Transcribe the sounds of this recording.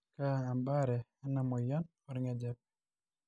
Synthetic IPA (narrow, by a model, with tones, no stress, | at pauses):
kaː˦˨mba˦ɾɛ˨ɛ˦na˨mɔ˨jɔ˦n | ɔɾɪŋɛd͡ʒɛ˦p̚